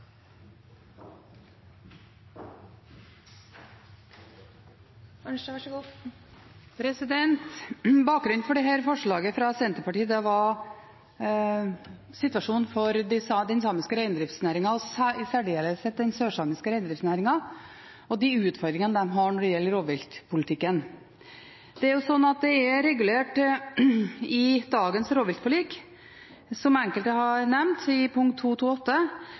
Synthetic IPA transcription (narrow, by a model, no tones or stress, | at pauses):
ɡː | pʰɾɛsɪd̪ɛnt̪bɑːk̚ɡɾʉnfɔɖɛɦæːɾfɔʂɭɑːɡəfɾɑsɛnt̪əɾpɑʈiːəd̪ɛʋɑ | sɪt̪ʉɑʂuːnfɔɾd̪ɪsd̪ɛnsɑːmɪskəɾæɪnəd̪ɾɪft̪snæːɾɪŋɑɔssæɖeːləsɛt̪̚d̪ɛnsøːʂɑːmɪskəɾæɪnd̪ɾɪftsnæːɾɪŋɑ | ɔd̪ɪʉːt̪fɔɾd̪ɾɪŋənəd̪ɛmɦɑɳɔɖɛjɛlːəɾoːʋɪlt̪pʰʊlɪt̪ʰɪkːən | d̪̥ɛæɾjʊsɔnːɑt̪̚d̪ɛæɾɛɡʉleːʈ | ɪd̪ɑːɡənsɾoːʋɪlt̪pʰʊlɪk | sɔmɛŋkəlt̪əɦɑɾnɛmnt̪ɪpʰʊŋkt̪ʰːuːt̪ʰuːɔt̪ːə